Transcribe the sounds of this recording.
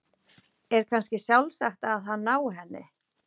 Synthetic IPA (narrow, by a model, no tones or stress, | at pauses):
ɛɾ̥kʰanscɪsjawlsaxt̪aððɦanːaːwɦɛnːɪ̰